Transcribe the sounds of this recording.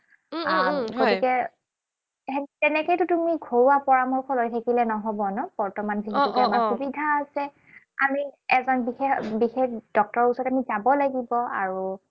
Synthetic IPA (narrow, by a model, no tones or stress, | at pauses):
aɡotikɛ | ɦɛtɛnɛkojtʊtumiɡʱoɹuwapɔɹamɔɹkʰɔlojtʰekilɛnɔɦɔbɔnɔb̥ɔɹtɔmanziɦikɛmaxubidʱaːsɛ | a̰miɛzɔnbixebixekd̥ɔk̚tɔɹusɔɹtamizabɔlaɡibɔa̰ɹu